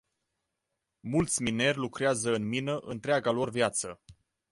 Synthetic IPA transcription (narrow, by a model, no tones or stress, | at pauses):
mult̪sʲmine̞rʲlukɾeazəɨnminəʔɨnt̪ɾeaɡalo̞rvjat̪sə